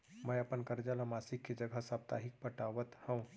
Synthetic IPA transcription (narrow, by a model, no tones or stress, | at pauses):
məjəpənkəɾd͡ʒalamasikːed͡ʒəɡʱəsap̚t̪a̰ɦik̚pəʈaʋət̪hə̃ũ